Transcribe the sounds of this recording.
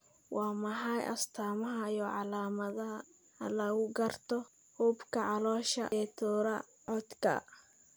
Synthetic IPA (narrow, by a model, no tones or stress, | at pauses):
wɑːmɐħɑjʔɐ̰st̪ʰaːmɐɦɐjɔʕɑlaːmɐðɐɦɐ | hɐ̰lɐɣʊɡɐrt̪ʰɔ | huːbkʰɐʕɑlɔːʃɐ̰ɛt̪ʰɔːɾɐ | ʕɔd̪kʰɐ̰